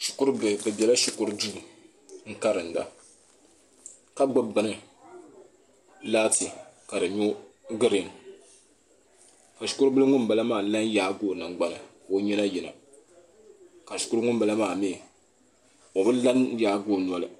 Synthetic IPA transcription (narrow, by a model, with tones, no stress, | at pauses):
ʃʊ˨kʊ˦ɾbɨ˨bɨ˨bʲɛ˨la˦ʃʊ˨kʊ˦ɾɨ˦du˦˨ | ŋ̩˦ka˦ɾɨ˨n̩˨da̰˨ | ka˦ɡ͡bɨ˦bɨ˨nɨ˨ | laː˦ti˨ka˨dɨ˨ɲo˦ | ɡɨ˦ɾn | ka˨ʃʊ̥˨kʊ˦ɾbɨ˦lɨ˦ŋʊ˦mba˨la˦maː˨la˦njaː˦ɡoː˦˨na˨ŋɡ͡ba˨nɨ˨ko˦ɲɛ˦na˦ji˨na̰˨ | ka˨ʃʊ̥˨˦kʊ˦ɾŋʊ˦mba˨la˦maː˨meː˦˨ | o˨bɨ˦la˦njaː˨˦ɡoː˦˨n˨ɔ˨lɨ̰˨